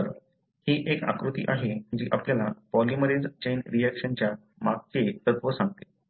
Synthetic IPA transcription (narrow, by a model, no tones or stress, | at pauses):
əɾ | hiːʔeka̰kɾut̪ḭːʔaɦed͡ʑiːʔapljalapɔliməɾed͡zt͡ɕejnɾijækʂənt͡ɕja | maɡ̚t͡set̪ət̪ʋəsãŋɡt̪e̥